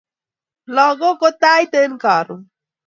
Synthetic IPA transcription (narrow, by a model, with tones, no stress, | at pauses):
lɔ˨ɡo˦ko˦t̪a˦jt̪e˦nka˨ɾṵ˨